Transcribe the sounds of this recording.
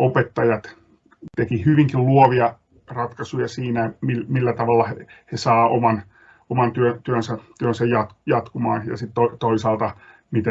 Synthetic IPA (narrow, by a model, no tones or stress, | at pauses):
opet̪ːɑjɑt̪ | t̪ekihyʋiŋkilluoʋiɑ | rɑt̪kɑsujɑsiːnæmilmilːæt̪ɑʋɑlːɑhehesɑːomɑn | omɑnt̪yøt̪yønsæt̪yønsæjjɑt̪kjɑt̪kumɑːnjɑ̰sit̪tot̪oisɑːlt̪ɑ | mit̪e